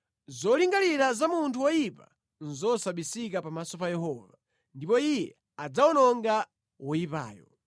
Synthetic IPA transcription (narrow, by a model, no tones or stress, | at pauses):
zɔliŋɡaliɾazamuntʰuwɔjipa | n̩zɔsaɓisikapamasɔpajɛhɔːva | ndipɔijɛ | ad͡zawɔnɔŋɡa | wɔjipa̰ːjɔ̰